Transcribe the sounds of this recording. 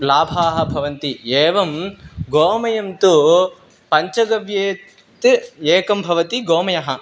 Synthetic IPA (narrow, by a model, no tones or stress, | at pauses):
laːbʱaːɦɐ̆bʱɐʋɐnt̪ieːʋɐmɡoːmɐjɐmt̪u | pɐɲt͡ʃɐɡɐʋjeː | t̪eːkɐmbʱɐʋɐt̪iɡoːmɐjɐɦɐ